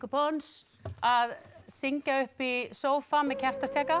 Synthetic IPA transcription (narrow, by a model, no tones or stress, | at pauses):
kʏpons | aðsiɲcaʏhpisoːwfamɛðcʰɛr̥t̪ast̪jɛːka